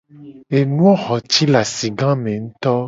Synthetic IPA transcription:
e˨nũ˦ɔ˦xɔ˨t͡ʃi˦la˨si˨ɡã˦mẽ˨ŋũ˦t̪ɔ˦

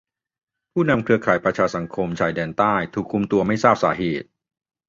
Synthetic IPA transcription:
pʰuː˥˩na˧mkʰɾɯ˧ɐkʰaː˩˦jpɾa˧t͡ɕʰaː˧sa˩˦ŋkʰo˧mt͡ɕʰaː˨˩jdɛː˧nt̪aː˥˩jt̪ʰuː˨˩kʰːu˧mt̪u˧ɐma˥˩jsaː˥˩p̚saː˩˦ɦeː˨˩t̪̚

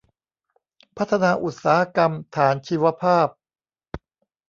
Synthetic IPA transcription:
pʰa˦˥t̪ʰːa˧naː˧ʔu˨˩t̪̚saː˩˦ha˦˥ka˧mt̪ʰaː˩˦nt͡ɕʰiː˧wa˧pʰaː˥˩p̚

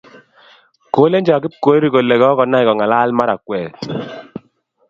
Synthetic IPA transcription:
koː˨˦le˦nd͡ʒɔ˨a˨kɪ˦p̚ko˦e˦ɾi˨ko˨le˨kɔ˦kɔ˨na˦ɪ˨kɔ˨ŋa˨la˦lma˦ɾa˨kwɛː˨

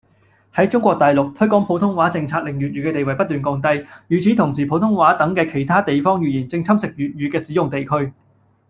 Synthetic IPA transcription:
hɐ˨˥jt͡sʊ˥ŋkʷɔː˧k̚t̪ɐ˨jlʊ˨k̚t̪ʰɵ˥ɥkɔː˨˥ŋpʰo˨˥wt̪ʰʊ˥ŋwaː˨˥t͡sɪ˧ŋt͡sʰaː˧k̚lɪ˨ŋ̚jyː˨t̚yː˨˥kɛː˧t̪e˨jwɐ˨˩jpɐ˥t̚t̪yː˨nkɔː˧ŋt̪ɐ˧jjyː˨˩t͡sʰiː˨˥t̪ʰʊ˨˩ŋsiː˨˩pʰo˨˥wt̪ʰʊ˥ŋwaː˨˥t̪ɐ˨˥ŋkɛː˧kʰe˨˩jt̪ʰaː˥t̪e˨jfɔː˥ŋjyː˨˩jiː˨˩nt͡sɪ˧ŋt͡sʰɐ˥msɪ˨k̚jyː˨t̚jyː˨˧kɛː˧siː˨˥jʊ˨ŋt̪e˨jkʰɵ˥ɥ

